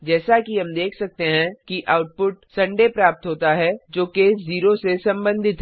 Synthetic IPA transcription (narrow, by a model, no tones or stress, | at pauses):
d͡ʒɛːsakiɦɐmd̪eːkʰsɐk̚t̪eɦɛ̃kiʔʔaːʊʈ̚pʊʈ̚sɐ̃ɳɖepɾaːp̚t̪ɦoːt̪aɦɛd͡ʒoːkeːsziːɾosesɐ̃mbə̃nd̪ʱɪt̪ɦ